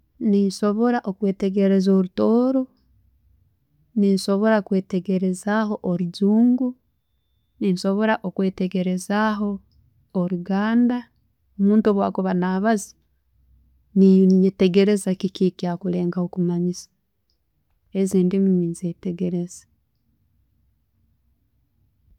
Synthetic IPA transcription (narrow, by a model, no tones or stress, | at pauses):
ninʃo̞βo̞ɾaʔokwe̞ːte̞ɡe̞ɾe̞zoɾutoːɾo̞ | ninʃo̞βo̞ɾakwe̞ːteɡe̞ɾe̞zaho̞ʔoɾiɟuːŋɡu | ninʃo̞βo̞ɾaʔokwe̞ːteɡe̞ɾe̞zaɦo̞ː | ɾuɡaːnda | omuːntoβwaːkuβanaːβazi̥ | nijete̞ɡe̞ɾe̞zakikikiakuɾe̞ːŋɡahokumaɲisḁ | e̞ziːndimiminzete̞ɡe̞ɾe̞z̥ḁ